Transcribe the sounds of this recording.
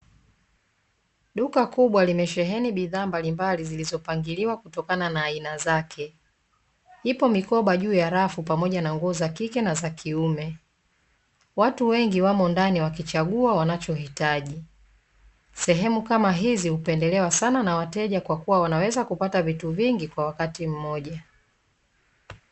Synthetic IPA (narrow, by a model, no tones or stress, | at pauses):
ɗukakuɓwalimɛʃɛɦɛniɓiðaːmbalimbalizilizɔpaŋɡiliwakutɔkananaːinazakʰɛ | hipɔmikɔɓaʄuːjaɾafupamɔʄanaŋɡuɔzakikɛnazakʰiumɛ | watuwɛŋɡiwamɔndaniwakit͡ʃaɠuawanat͡ʃɔhitaʄi | sɛɦɛmukamaɦizihupɛndɛlɛwasananawatɛʄakwakuwawanawɛzakupatavituviŋɡikwawakatim̩mɔʄa